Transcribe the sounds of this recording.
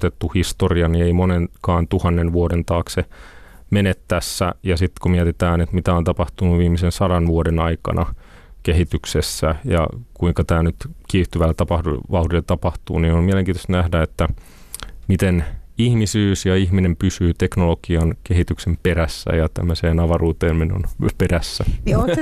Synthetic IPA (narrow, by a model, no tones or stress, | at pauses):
t̪et̪ːuhist̪oriɑnieimonenkɑːnt̪uhɑnːenʋuodent̪ɑːkse | menet̪tːæsːæ̰jɑsit̪kumiɛt̪it̪æːnet̪mit̪æont̪ɑpɑht̪unuʋiːmisensɑdɑnʋuodenɑikɑ̰nʔɑ | keɦit̪yksesːæ̰jɑ̰kuiŋkɑt̪æːnyt̪kiːht̪yʋælt̪ɑpɑhuʋɑuɾilːet̪ɑpɑht̪ṵːniːnolmiæleŋkiːt̪ost̪næhdæet̪ːæ | mit̪enihmisyːsjɑihminempysyːt̪eknolokiɑnkeɦit̪yksempeɾæsːæ̰jɑt̪æ̰mːøseːnɑʋɑruːt̪eːmmenːo̰nperæsːæ